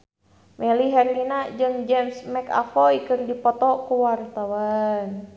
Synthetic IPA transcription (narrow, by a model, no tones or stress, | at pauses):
mɛliɦɛrlinad͡ʒɨŋd͡ʒɛmsmɛka̰fɔikɨrdipɔt̪ɔkuwart̪awan